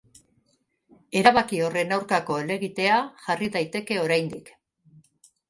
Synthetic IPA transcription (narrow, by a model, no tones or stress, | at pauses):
e̞ɾaβakio̞re̞nawɾkako̞ele̞ɣit̪e̞aʝariðajt̪e̞ke̞oɾajnd̪ik